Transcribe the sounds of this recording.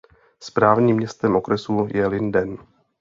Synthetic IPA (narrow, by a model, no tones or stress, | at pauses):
spɾaːvɲiːmːɲɛst̪ɛmʔo̞kɾɛsujɛlɪndɛn